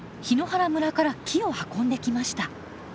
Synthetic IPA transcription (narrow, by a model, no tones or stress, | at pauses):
çino̞haɾamɯ̟ɾakaɾakʲʰio̞hakõ̞nd̪e̞kʲimaɕi̥t̪a